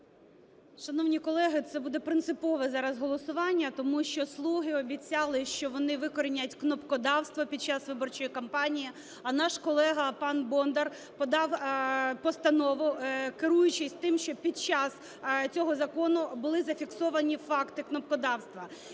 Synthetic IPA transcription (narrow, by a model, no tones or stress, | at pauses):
ʃɐnɔwnʲikɔlˠɛɦɪt̪sɛbud̪ɛpɾɪnt̪sɪpɔʋɛzɑɾɐzɦɔlˠɔsʊʋɑnʲːɐt̪ɔmuʃt͡ʃɔslˠuɦɪɔbʲit͡sʲɑlˠɪʃt͡ʃɔʋɔnɪʋɪkɔɾɪnʲɐtʲknɔpkɔd̪ɑwst̪ʋɔpʲid̪̚t͡ʃɑsʋɪbɔrt͡ʃɔjikɐmpɑnʲiji | ɐnɑʃkɔlˠɛɦɐpɑnbɔnd̪ɐr | pɔd̪ɑwpɔst̪ɐnɔʋʊkɪɾujʊt͡ʃɪsʲt̪ɪmʃt͡ʃɔpʲid̪̚t͡ʃɑs | t͡sʲɔɦɔzɐkɔnʊbʊlˠɪzɐfʲiksɔʋɐnʲifɑkt̪ɪknɔpkɔd̪ɑwst̪ʋɐ